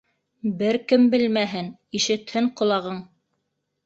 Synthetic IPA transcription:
bɘɾkɘmbɘlmæɦɘniʃɘ̆t̪hɘɴqŏlˠɑʁɤɴ

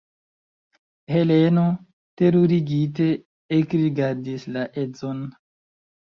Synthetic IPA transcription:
heleno | teɾuɾiɡit̬e̞ | ekɾiɡaɾdislaʔed͡zon

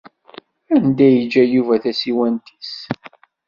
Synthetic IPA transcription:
ænd̪æjəd͡ʒːæjuvæθæsiwænt̪ʰi̥s

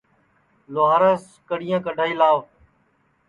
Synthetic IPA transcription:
loːɦaːɾəs | kəɽɪjãːkəɖʱaːiːlaːʋ

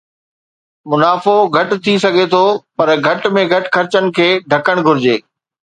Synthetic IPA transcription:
mʊnaːfoɡʱɐʈ̆t̪ʰisɐɡʱet̪ʰoːpɐɾɡʱɐʈmẽɡʱɐʈxʰɐɾɪt͡ɕənɪ̆kʰeːɖʱɐkəɽ̃ɡʱʊɾɪd͡ʑeː

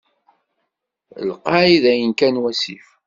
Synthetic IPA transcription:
lqɑʕiðæjənkænwæsḭf

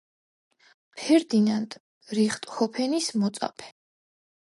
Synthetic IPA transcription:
pʰɛɾd̪inant̪ʼ | ɾiχt̪ʼχɔpʰɛnismɔt̪sʼa̰pʰɛ̥

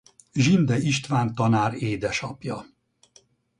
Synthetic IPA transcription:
ʒind̪ɛiʃt̪ʋaːnt̪ɒnaːɾeːd̪ɛʃɒpjɒ

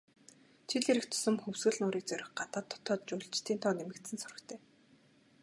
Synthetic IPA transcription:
t͡ɕʰiɮeɾɘ̆kt̪ʰʊ̥sə̆mxɵwsɣɘ̆ɮnʊːɾiːk̚t͡sœɾʲɪ̆xɢat̪aːt̪ʰːɔ̥t̪ʰɔːt̪̚t͡ɕʊːɮt͡ɕt̪ʰiːnt̪ʰɔːnemɘ̆kt̪sɘ̆nsʊɾə̆kt̪ʰeː

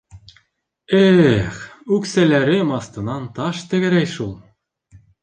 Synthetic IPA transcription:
exʉksælʲæɾemɑst̪ɤ̆nɑnt̪ɑʃt̪ɘ̆ɣɘ̆ɾæjʃulˠ

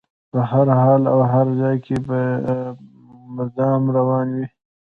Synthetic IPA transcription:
pəɦaɾɦɑːlawɦaɾzɑjkʰepə | mɪd̪ɑːmɾawɑːnwi

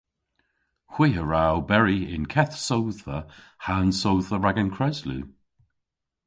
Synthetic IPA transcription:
hw̥iəɹawbɛɹiɪ̰nkʰɛθsowθə | hansowθəɹaɡənkʰɹɛzlʉ̰

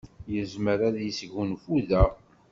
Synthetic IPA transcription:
jəzməɾæðjəsʝunfuðæ

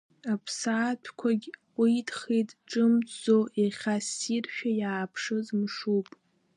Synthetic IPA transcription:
apʰsaːtʰkʷʰaɡʲʷ | itχijtʼʈ͡ʂʼɨmoʔiχʲasirʃᶣajaːpʰʂɨzmʂupʼ

